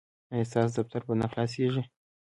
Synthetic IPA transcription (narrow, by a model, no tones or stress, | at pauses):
ast̪ɑs̬d̪af̚t̪aɾpənaxlɑs̬iʒi